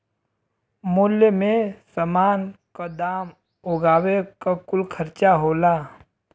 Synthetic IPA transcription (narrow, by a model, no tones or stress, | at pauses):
mʊljəmẽsəmaːnkad̪aːm | ʊɡaːwekakʊlkʰəɾt͡ʃaɦoːlaː